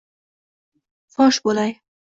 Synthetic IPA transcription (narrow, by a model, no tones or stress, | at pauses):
fɒʃbolaj